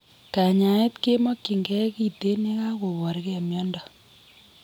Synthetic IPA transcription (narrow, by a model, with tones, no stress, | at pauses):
ka˨ɲa˨e˦tke˦mɔ˦kːi˨ŋɡɛ˦ki˦te˦nɪ˦ka˦ko˨βɔ˨ɾkɛ˦a˨mjɔ˦ndɔ˨